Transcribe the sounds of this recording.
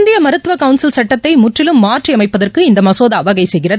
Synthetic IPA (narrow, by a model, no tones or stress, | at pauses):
nd̪ɪjɐmɐɾɯt̪ːɯʋɐkɐʋʊnsɪlsɐʈːɐt̪ːɐɪmʊʈrɪlɯmːaːʈriɐmɐɪpːɐðɐrkɯɪnd̪ɐmɐsoːðaːʋɐɣɐɪsɛjɣɪrɐ